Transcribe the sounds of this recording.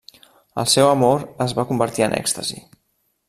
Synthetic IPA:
ə̰lˠsɛwəmoɾəzβakumbəɾt̪iənʔɛ̰kst̪əzḭ

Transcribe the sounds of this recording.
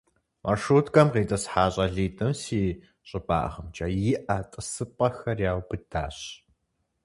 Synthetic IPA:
mʔarʂuːtkʼɐmqeːtʼɐsħaːɕʼɐɮiːtʼɨmsiː | ɕʼɪba̰ːʔʁɐmt͡ʃʼɐjɪʔɐtʼɨsɨpʼɐxɐrjaːwbɨda̰ːɕ

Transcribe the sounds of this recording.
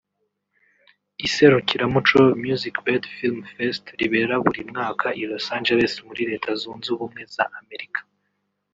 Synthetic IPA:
iseɾukiɾamut͡ʃomjuzikbedfilmfestɾiβe̞ɾaβuɾimŋaːkʰaʔilosaːnd͡ʒele̞smuɾiɾe̞ːtʰazuːnzuβumŋe̞za̰ʔame̞ɾikʰḁ

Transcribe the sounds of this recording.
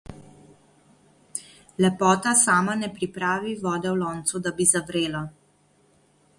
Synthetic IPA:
lɛpɔːt̪asaːmanɛpɾipɾaːʋiʋɔːd̪ɛwlɔːnt̪sud̪abizaʋɾeːla

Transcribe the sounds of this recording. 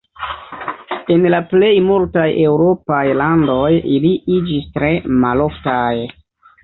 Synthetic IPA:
e̞nlaple̞jmultajʔe̞wɾo̞pajlando̞jiliʔid͡ʒistɾe̞malo̞ftaj

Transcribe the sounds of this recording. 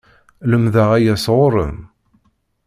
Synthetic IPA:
ləmðæʁæjæsʁʊɾˤə̰m

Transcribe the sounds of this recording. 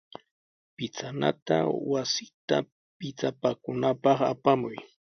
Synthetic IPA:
pɪt͡sana̰t̪a̰wasɪt̪a̰ | pɪt͡sapakʊnapɑχa̰pamʊj

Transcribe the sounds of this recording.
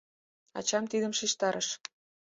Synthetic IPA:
ɑ̰t͡ɕɑmt̪id̪ə̆mʃiʃt̪ɑɾʔəʃ

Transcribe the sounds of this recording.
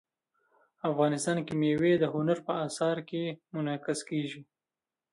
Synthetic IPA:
afɣɑnɪst̪ɑnkimewed̪əɦʊnaɾpəɑsɑɾkemʊnɑkɪskeʒi

